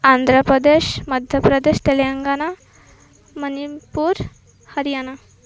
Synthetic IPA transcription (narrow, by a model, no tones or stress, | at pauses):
and̪ʱɾəpɾəd̪eɕməd̪ʱjəpɾəd̪eɕt̪elejəŋɡana | mənipuɾ | həɾijana